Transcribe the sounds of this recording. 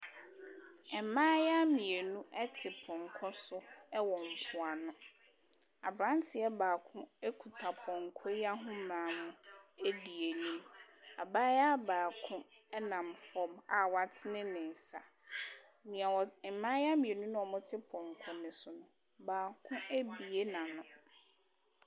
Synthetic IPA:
ɛ˨mãː˦ja˦mĩ˨e˨nũ˦ʔɛ˦tʰɪ˨pʰɔ̃˨ŋ̩˨kʰɔ˦sʊ˦ɛ˦wɔ˨m̩˨pʰʊ˨a˨nʊ̃˦ | a̰˨bɾã˦n˦tʰɪ˨ɛ˦baː˨kʰʊ̃˦e˦kʰu˨tʰa˨pʰɔ̃˨ŋ̩˨kʰɔ˦a˦ɦʊ̃˦mãː˨˦˨mʊ̃˦e˦di˨e˨nĩ˦ma˨baː˦ja˦baː˨kʰʊ̃˦ | ɛ˦nã˨mfɔ̃˦ma˨wa˨tʰɪ˦nɪ̃˦nɪ̃˨n˨sa˨ | mĩ˨a˨wɔ˨mãː˦ja˦mĩ˨e˨nũ˦nʊ̃˦ɔ˨mʊ̃˦tʰɪ˦pʰɔ̃˨ŋ˨kʰɔ˦nɪ̃˨sʊ˨nʊ̃˨ | baː˨kʰʊ̃˦e˦bi˨e˦nã˨nʊ̃˨

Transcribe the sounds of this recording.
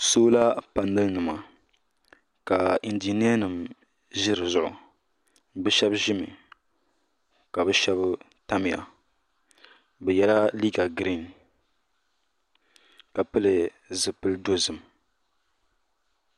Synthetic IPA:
soː˦la˦pa˨nːɨ˦lnɨ˨ma˨ | ka˨ɪ˨ndii˨ni˦ɛ˦nɨ˨m | ʒɪ˦ɾɨ˨zʊ˨ʔʊ̰˨ | bɛ˦ʃɛ˦bʒɪ˦mɨ̰˨ | ka˨bɛ˦ʃɛ˦b | ta˦mɪ˨ja̰˨ | bɛ˨jɛ˦la˦li˦ɡa˨ɡɾi˦˨n | ka˨pɨ˦lɨ˨ | zɨ˨pɨ˦ldo˦zɨ˨m

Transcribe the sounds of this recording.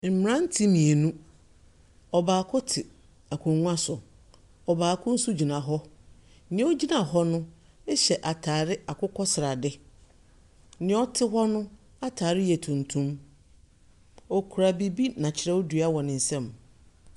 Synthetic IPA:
m̩˨mɪ˨ɾã˦n̩˦tʰi˦mĩ˨e˨nũ˦ | ɔ˨baː˨kʰʊ˦tʰɪ˨ | a˨kʰʊ̃˨ŋũ˦a˦sʊ˨ | ɔ˨baː˨kʰʊ̃˦n̩˦su˦d͡ʑi˨nã˨ɦɔ˦ | nɪ̃˨˦ɔ˦d͡ʑi˦nã˨ɦɔ˦nʊ̃˦ | ɛ˦ɕɛ˨ʔa˨tʰaː˨ɾɪ˦a˨kʰʊ˦kʰɔ˦sɪ˨ɾa˨dɪ˦ | nɪ̃˨˦ɔ˦tʰɪ˦ɦɔ˦nʊ̃˦ | a˨tʰaː˨ɾɪ˦jɛ˨tʰũ˨ntʰũ˦m | ɔ˨kʰu˨ɾa˨bi˦bi˦nã˨t͡ɕʰɪ˨ɾɛ˦wɔ˦dɥa˦wɔ˨nɪ̃˨n̩˨sɛ̃˦˨m

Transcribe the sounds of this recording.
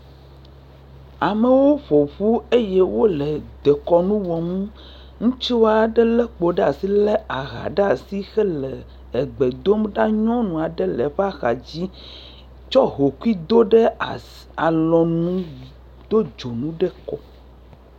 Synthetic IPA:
a˨me˨wo˦ɸo˨ɸu˦e˦je˦wo˦lɛ˨d̪ɛ˨kɔ˨nũ˦wɔ˨mũ˦ | ŋũ˦t͡ʃi˦wo˦a˨ɖɛ˦lɛ˦k͡po˨ɖe˦a˨si˦lɛ˦a˨ɣa̰˨ɖe˦a˨si˦xɛ˦lɛ˨ | ɛ˨ɡ͡bɛ˨d̪o˦mɖa˦ɲɔ̃˦nũ˨a˨ɖɛ˦lɛ˨ɸa˦xa˨d͡ʑi˦ | t͡ʃɔ˦ɦo˨ku˦i˦d̪o˦ɖɛ˦˨ | a˨lɔ˨nũ˦ | d̪̥o˦d͡ʒo˨nũ˦ɖɛ˦kɔ˦

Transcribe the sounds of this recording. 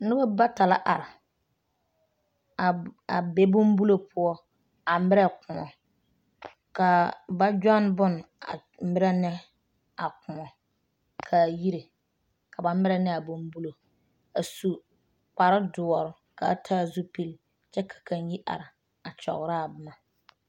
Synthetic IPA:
nɪ˦ba˦ba˦ta˨la̰˦ʔa˨ɾɪ˨ | a˨be˨˦bʊ˦m˦bu˦lo˦pʰʊ˦ɔ˦ | a˨mɪ˦ɾɛ˦kʊ˨mɔ˨ | ka˨ba˦d͡ʒa˦nbʊ˦n˨a̰˨ | m˦bɪ˦ɾɛ˦nɛ˦ | a˨kʊ˨mɔ˨ | kʰa˨ji˦ɾe˨ | ka˨ba˨m˦ɪ˦ɾɛ˦nɛ˦a˨bʊ˦mbu˦lo˨ | a˨su˨ | k͡pa˨ɾɪ˦dʊ˨ɔ˨ɾʊ˨ | ka̰˨˦tʰa˦˨zu˦pi˦l | t͡ʃɛ˦kʰḁ˨ka˨n˦ji˦ʔa̰˨ɾɪ˨ | a˨t͡ʃɔ̰˨ɣɾa˦a˨bɪ˦ma˨

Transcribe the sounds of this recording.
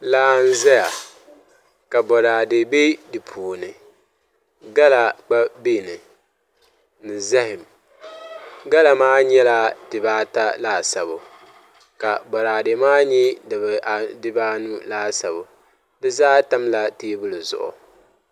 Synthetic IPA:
laː˦n̩˦zɛ˦ja˨ | ka˨bɔ˨ɾaː˨dɪ˨be˦dɨ˨pʰuː˨nɨ˨ | ɡa˦la˨k͡pa˦be˦˨nɨ˨ | nɨ˨zɛ˦ɦɪ˨m | ɡa˦la˨maː˦ɲɛ˦la˦d̥ɨ˨baː˦ta˦laː˦sa˨bʊ˨ | ka˨bɔ˨ɾaː˨dɪ˨˦maː˦ɲi˦dɨ˨bɛ˨ʔa˨dɨ˦baː˦nu˦laː˦sa˨bʊ˨ | dɨ˦zaː˦ta˦mla˦teː˦bʊ˦lɨ˨zʊ̰˨ʔʊ̰˨

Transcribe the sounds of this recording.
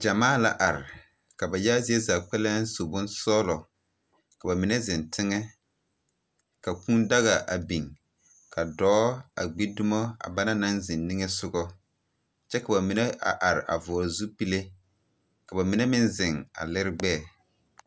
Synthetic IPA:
d͡ʒa˨maː˦˨la̰˨ʔa˨ɾɪ˨ | ka˨ba˨jaː˦zi˦e˦za˨k͡pɛ˦lɛ˦n˦so˨bʊ˦nsɔː˦lɔ˨ | ka˨ba˨mi˨nɛ˦zɪ˨ntʰɪ˦ŋɛ˦ | ka˨kũ˦nda˦ɣa˨ʔa̰˨bi˨ŋ | kʰa˨dɔː˦a̰˨ɡ͡bi˦dʊ˦mɔ˦a̰˨ba˦na˦na˦nzɪ˨nːi˦ŋɛ˦sʊ˦ɡɔ˦ | t͡ʃɛ˦ka˨ba˨mi˨ne˦ʔa̰˨ʔa˨ɾɪ˨ʔa̰˨vɔː˨zu˦pi˦le˦ | ka˨ba˨mɪ˨nɛ˦mɪ̃˦nzɪ˨ŋa̰˨lɪ˦ɾɪ˦ɡ͡bɛː˦˨

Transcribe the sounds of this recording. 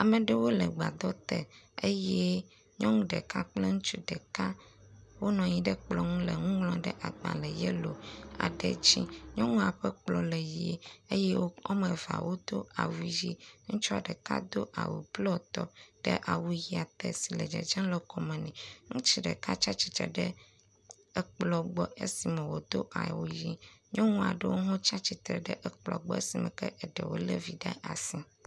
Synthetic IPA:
a˨mɛ˨ɖe˦wo˦lɛ˨ɡ͡ba˨d̪ɔ˦t̪ɛ˨e˦jɛ˦ | ɲɔ̃˦ŋũ˦ɖɛ˨ka˦k͡plɛ˦ŋũ˦t͡ʃu˦ɖɛ˨ka˦wo˦nɔ̃˨ɲĩ˦ɖɛ˦k͡plɔ˨ŋũ˦lɛ˨ŋũ˦ŋlɔ̃˨ɖɛ˦ʔa˨ɡ͡ba̰˨lɛ˨jɛ˦lo˨a̰˨ɖɛ̰˨d͡ʑi˦ɲɔ̃˦ŋũ˦a˨ɸɛ˦k͡plɔ˨lɛ˨ji˨e˦e˦je˦wo˦o˦mɛ̃˨va̰˨wo˦d̪o˦a˨wu˦ji˦ŋũ˦t͡ʃɔ˦a˨ɖɛ˨ka̰˦d̪o˦ʔa̰˨wṵ˨blɔ˦t̪ɔ˨ɖ̥ɛ˦ʔa˨wu˦ji˦a˨t̪ɛ˨si˨lɛ˨d͡ʒɛ̰˨d͡ʒɛ̃˦nlɛ˦kɔ˨mɛ̃˨nɛ̃˨ŋũ˦t͡ʃi˦ɖɛ̰˨ka˦t͡ʃa˦t͡ɕi̥˨t̪ɾɛ̰˨ɖɛ˦˨ | k͡plɔ˨ɡ͡bɔ˦e˦si˨mɛ̃˨wo˨d̪o˦ʔa̰˨wu˦ji˦ɲɔ̃˦ŋũ˦a̰˨ɖə˦wo˦ɦõ˦t͡ʃa˦t͡ɕi˨t̪ɾɛ˨ɖɛ˦ʔɛ˦k͡plɔ̰˨ɡ͡bɔ˦e˦si˨mɛ̰̃˨kɛ˦ʔɛ˨ɖɛ˨wo̰˦le˦vi˨ɖa̰˦a̰˨sĩ˦

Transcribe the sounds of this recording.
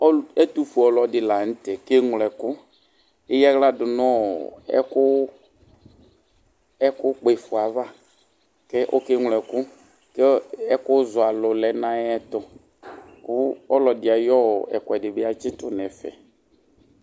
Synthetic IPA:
ɔ˦ɛ˦t̪u˦fu˨ɔ˨lɔ˨dɪ˨la˨n̩˦tɛ˨ke˦ŋ˨lɛ˨kʊ˦ | ɪ˦jɛ˦ɣla˦dʊ˨nɔ˦˨ɛ̰˦kʊ˦ | ɛ˦kʊ˦k͡pe˨fʊ˨a˨va˦˨ | kɛ˦ʔo˦ke˦ŋ˨lɛ˨kʊ˦ | kɛ˦ɛ˦kʊ˦zʊ˨a˨lʊ˨lɛ˨nã˦ɛ˦t̪ʊ˦ | kʊ˦ɔ˦lɔ˨dɪ˨a˨jɔ˦˨ɛ̰˨kʊ˨ɛ˨dɪ˨bɪ˦a˦t͡ʃɪ˦tʊ˦nɛ˨fɛ̰˨

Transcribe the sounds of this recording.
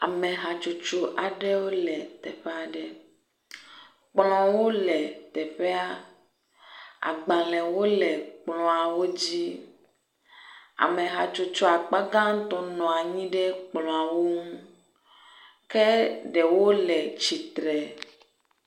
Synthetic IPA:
a̰˨mɛ̃˨ɦa˨t͡ʃu˦t͡ʃu˦ʔa˨ɖɛ˦wo˦lɛ˨t̪ɛ˨ɸe˦a˨ɖɛ˦ | k͡plɔ̃˨wo˦lɛ˨t̪ɛ˨ɸɛ˦a˦ | a̰˨ɡ͡ba˨lɛ̃˨wo˦lɛ˨k͡plɔ̃˨a˨wo˦d͡ʑi˦ | a̰˨me˨ɦa˨t͡ʃu˦t͡ʃu˦a˨k͡pa˦ɡã˦ŋ̩˦t̪ɔ̃˦nɔ̃˨a˨ɲĩ˦ɖɛ˦k͡plɔ̃˨a˨wo˦ŋũ˦ | kɛ˦ɖɛ˨wo˦lɛ˨t͡ʃi˨t̪ɾɛ˨

